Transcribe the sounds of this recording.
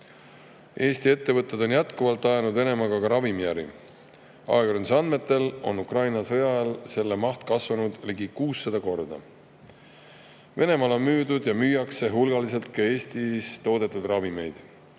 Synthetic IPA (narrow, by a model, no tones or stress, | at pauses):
e̞ːst̪ie̞t̪ːe̞vɤt̪ːˑed̪̥o̞njæt̪kuvɑlt̪ˑːɑjɑnud̪ve̞ne̞mɑɡɑkɑɾɑvimijæɾḭ | ɑ̰eɡoɾnisɑnme̞t̪ːˑe̞lo̞̰nːukrɑjnɑsɤjɑɑlse̞lːemɑht̪kɑsvɑnud̪̥liɡikuːsːed̪̥ɑko̞rd̪ɑ̰ | ve̞ne̞mɑlo̞nmyːd̪ud̪jɑmyːjɑkse̞ɦulɡ̥ɑlise̞lt̪kɑe̞ːst̪ist̪o̞ːd̪e̞t̪ːˑud̪̥rɑvime̞jd̪̥